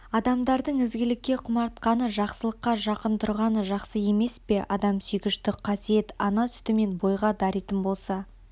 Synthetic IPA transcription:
ɑd̪ɑmd̪ɑɾd̪əɴɪzɡʲɪlɪkʲːe̞qʰʊmɑɾt̪̚qɑnəʒɑqsəlˠəqːɑʒɑqənt̪ʰʊɾʁɑnəʒɑqsəje̞me̞spe̞ʔɑd̪ɑmsʏjkʲɪʃt̪ɪqʰɑsije̞t̪ɑnɑsʏ̥t̪ɪme̞nbo̞jʁɑd̪ɑɾit̪ɪnbo̞lˠsɑ

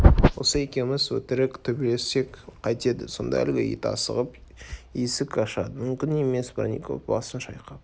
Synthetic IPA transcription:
wo̞səe̞kʲe̞mɪzwɵt̪ɪɾɪkt̪ʰɵbele̞se̞kqʰɑjt̪e̞d̪ɪso̞̰nd̪ɑ̰æ̰lɡʲejḭt̪ɑ̰sə̰ʁəp | jesɪkɑʃɑd̪əmʏmkʲɪne̞me̞sbɑ̰nḭkʰo̰fbɑ̰sənʃɑjqɑp

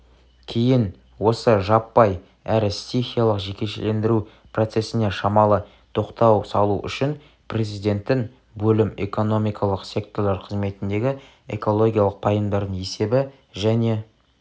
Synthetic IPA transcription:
kʲʰejɪn | wo̞səʒɑpːɑj | æɾɪssʲexʲijalˠəqʒe̞kʲe̞ʃḛle̞nd̪ɪɾu | pʰro̞t̪se̞sɪne̞ʃɑmɑlˠə | t̪ʰo̞qt̪ɑwsɑlˠṵʔʏ̰ʃɪn | pre̞zijd̪ʲe̞nt̪ːɪŋ | bɵlɪme̞̰ko̞no̞mijkʰɑlˠəqsʲe̞k̚t̪o̞rlˠɑɾqʰəzme̞t̪ɪnd̪e̞ɡʲɪ | ḛko̞lˠo̞ɡʲijalˠəq̚pʰɑjəmd̪ɑɾd̪əɴe̞se̞bɪ | ʒæne̞

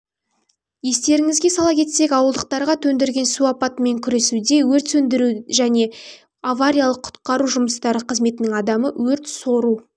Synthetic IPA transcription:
je̞st̪e̞ɾɪŋɪzɡʲe̞sɑlˠɑkʲʰe̞t̪se̞kʲɑwəlˠd̪əq̚t̪ɑɾʁɑt̪ʰɵnd̪eɾɡʲe̞nsuɑpɑt̪əme̞ŋkʲʰʏɾe̞sud̪e̞wɵɾt̪sɵnd̪ɪɾuʒæne̞ | avaɾʲijalˠəqʰːʊ̥t̪qɑɾuʒʊməst̪ɑɾəqʰəzme̞t̪ɪnɪŋɑd̪ɑməwɵɾt̪so̞ɾu

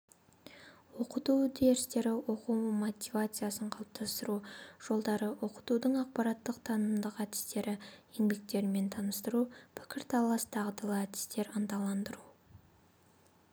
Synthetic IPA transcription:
wo̞qət̪ud̪e̞ɾɪst̪e̞ɾɪwo̞qumot̪ʲivat̪sɨjasəɴqʰɑlˠəp̚t̪ʰɑst̪əɾuʒ̥o̞lˠd̪ɑɾəwo̞qə̥t̪ud̪əɴɑq̚pɑɾɑt̪ːəqt̪ʰɑnəmd̪əqæt̪ɪ̥st̪e̞ɾɪje̞ŋbe̞k̚t̪e̞ɾme̞nt̪ʰɑnəst̪əɾupʰɪ̥kʲɪɾt̪ʰɑlˠɑst̪ʰɑʁd̪əlˠəæt̪ɪ̥st̪e̞ɾənt̪ɑlˠɑnd̪əɾu

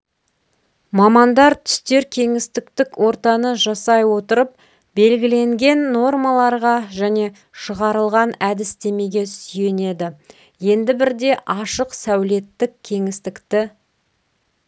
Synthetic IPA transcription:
mɑmɑnd̪ɑɾt̪ʰʏ̥st̪e̞ɾkʲʰe̞ŋɪst̪ɪkt̪ɪkwʔo̞ɾt̪ɑnəʒɑsɑjwo̞t̪əɾəp̚ | be̞lɡʲɪle̞ŋɡʲe̞nːo̞rmɑlˠɑɾʁɑʒæne̞ | ʃəʁɑɾəlˠʁɑnæd̪ɪst̪e̞me̞ɡʲe̞sʏje̞ne̞d̪ɪ | je̞nd̪ɪbɪɾd̪e̞ʔɑʃəqsæwle̞t̪ːɪkʲkʲʰe̞ŋɪst̪ɪkt̪ɪ

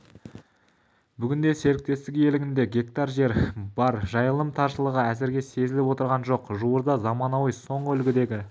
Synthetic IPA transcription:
bʏɡʲɪnd̪e̞se̞ɾɪk̚t̪e̞st̪ɪkje̞lɪɡʲɪnd̪e̞ɡʲe̞k̚t̪ɑɾʒe̞ɾbɑɾʒɑjəlˠəmt̪ʰɑɾʃəlˠəʁəæzɪɾɡʲe̞se̞zɪlɪpwo̞t̪əɾʁɑnʒo̞qʒuwəɾd̪ɑzɑmɑnɑwijso̞ɴəʏlɡʲɪd̪e̞ɡʲɪ

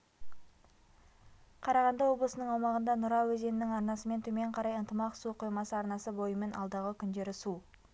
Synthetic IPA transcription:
qʰɑɾɑʁɑnd̪ɑwo̞blˠəsənəɴɑwmɑʁənd̪ɑnʊɾɑwɵze̞nɪnɪŋɑɾnɑsəme̞nt̪ʰɵme̞ɴqʰɑɾɑjənt̪əmɑqsuqʰojmɑsəɑɾnɑsəbo̞jəme̞nʔɑlˠd̪ɑʁəkʲʰʏnd̪e̞ɾɪsu

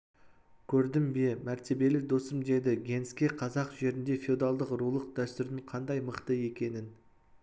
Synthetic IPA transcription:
kʲʰɵɾd̪ɪmbe̞mæɾt̪e̞be̞lɪd̪o̞səmd̪e̞d̪ɪɡʲe̞nskʲe̞qʰɑzɑqʒe̞ɾɪnd̪e̞fʲeud̪ɑlˠd̪əqɾulˠəq̚d̪̥æst̪ʏɾd̪ɪɴqʰɑnd̪ɑjməqt̪əe̞kʲe̞nɪn

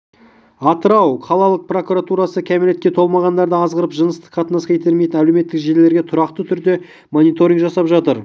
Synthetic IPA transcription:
ɑt̪əɾɑwqʰɑlˠɑlˠəq̚pro̞kuɾat̪uɾɑsəkʲʰæmele̞t̪kʲe̞t̪ʰo̞lˠmɑʁɑnd̪ɑɾd̪əɑzʁəɾəpʒənəst̪ə̥qːʰɑt̪ənɑskɑjt̪eɾmejt̪ɪnæleme̞t̪ːɪkʒe̞ɾle̞ɾɡʲe̞t̪ʰʊɾɑqt̪ət̪ʰʏɾd̪e̞ | monijt̪o̞ɾʲiŋkʒɑsɑpʒɑt̪əɾ

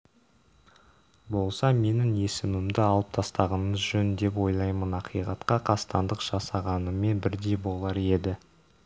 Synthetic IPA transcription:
bo̞lˠsɑme̞nɪŋe̞sɪmɪmd̪ɪɑlˠəp̚t̪ʰɑst̪ɑʁənməzʒɵnd̪e̞p̬wo̞jlˠɑjmənɑqʰijʁɑt̪qɑqʰɑst̪ɑnd̪əqʒ̥ɑsɑʁɑnəme̞nbɪɾd̪e̞jbo̞lˠɑɾe̞d̪ɪ

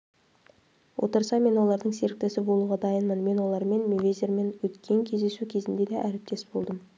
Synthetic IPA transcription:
wʔo̞̰t̪əɾsɑme̞nwo̞lˠɑɾd̪əɴse̞ɾɪk̚t̪ɪsɪbo̞lˠuʁɑd̪ɑjənmənme̞nwo̞lˠɑɾme̞nmevʲejzeɾme̞nwɵt̪kʲʰe̞ŋkʲʰe̞zd̪e̞sukʲʰe̞zɪnd̪e̞d̪eʔæɾɪp̚t̪e̞sbo̞lˠd̪əm

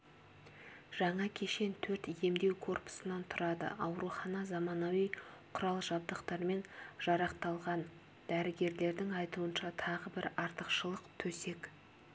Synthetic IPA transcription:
ʒ̥ɑɴɑkʲʰe̞ʃe̞nt̪ʰɵɾt̪je̞md̪e̞wkʰo̞rpʊ̥sənɑnt̪ʰʊɾɑd̪ə̰ɑwɾuχɑnɑzɑmɑnowijqʰʊɾɑlˠʒɑbd̪əqt̪ɑɾme̞nʒ̥ɑɾɑqt̪ɑlˠʁɑn | d̪̥æɾɪɡʲe̞ɾle̞ɾd̪ɪŋɑjt̪uənʃɑt̪ʰɑʁəbɪɾɑɾt̪əqʃəlˠəqt̪ʰɵse̞k

